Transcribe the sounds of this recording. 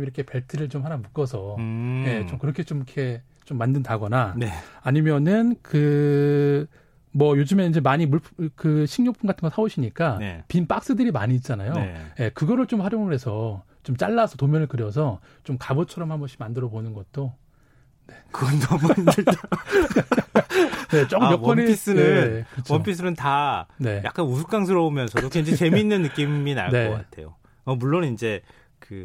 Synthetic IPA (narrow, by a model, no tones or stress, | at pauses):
miɾʌkʰe̞peɭtʰɯɾɯɭt͡ɕomɦanamuk͈ʌsʰʌje̞t͡ɕomkɯɾʌkʰe̞t͡ɕomikʰe̞ | t͡ɕomːandɯndaɡʌnaneːɲimjʌnɯnkɯ | mʌjod͡ʑɯmenind͡ʑe̞maɲimuɭpʰkɯɕʰiŋɲopʰunɡatʰɯnɡʌsʰaboɕʰiɲik͈apinp͈ak̚s͈ɯdɯɾima̰ɲiːt̚t͡ɕ͈anajoje̞kɯɡʌɾɯɭt͡ɕomhaɾjʌɡoɡɯɾe̞sʰʌ | t͡ɕomt͡ɕ͈aɭːasʰʌtomjʌnɯɭkɯɾjʌsʰʌ | t͡ɕomkabʌt͡ɕʰʌɾʌmhamoɕʰimandɯɾʌbonɯnɡʌt̚t͈o | ne̞kɯɡʌndʌm | ne̞t͡ɕ͈ok͈ɯmjʌkwʌniis͈ɯneɯnkkɯɯt͡ɕʰwʌonpʰis̬͈ʰɯnɯntane̞ja̰k͈anus̬ʰu̥k͈aŋs̬ʰɯɾʌomjʌnsʰʌdoend͡ʑet͡ɕe̞mminːɯnːɯk͈imina̰ɭkne̞ʌk͈atʰe̞̰jo̰ | ʌmuɭːonind͡ʑe̞ | kɯ